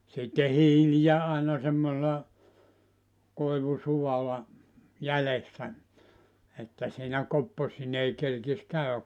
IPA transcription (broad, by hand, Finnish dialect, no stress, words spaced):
sitːe hiːlijæ ɑˑinɑ semːoselɑ koiʋusuwɑlɑ jælesːæ etːæ siːnæ kopːosineː kerkis kæyæ